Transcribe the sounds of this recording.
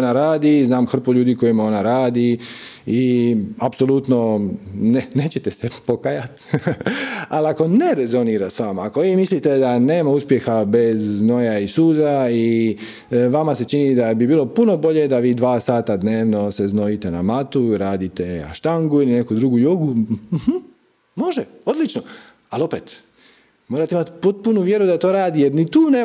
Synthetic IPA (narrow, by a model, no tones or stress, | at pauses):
naɾaːd̪iznaːmxr̩poʎuːd̪iko̞jimo̞naɾaːd̪iiapso̞lˠut̪no̞nene̞ːt͡ɕet̪esepo̞kajat̪ | aliako̞ne̞ɾezo̞niːɾasʋamaako̞ʋiːmislit̪e̞d̪ane̞ːmauspje̞xabe̞zno̞jaisuːzai | ʋamase̞t͡ʃinid̪abibiːlo̞puno̞bo̞ʎe̞d̪aʋiːd̪ʋaːsaːt̪ad̪neːʋno̞se̞zno̞jit̪e̞na̰mat̪uɾaːd̪it̪e̞a̰ʃt̪aŋɡuiline̞kud̪ɾuɡujuɡum̩h̩ | mo̞ʒeo̞d̪lit͡ʃno | alo̞peːt̪ | moɾat̪eimat̪po̞t̪̚punuʋje̞ɾud̪at̪o̞ːɾaːd̪ijeɾnit̪uːne